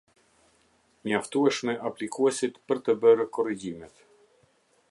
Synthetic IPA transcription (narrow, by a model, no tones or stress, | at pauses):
ɲaft̪uɛʃmɛʔaplikʰuɛsit̪pəɾt̪əbəɾkɔriɟimɛt̪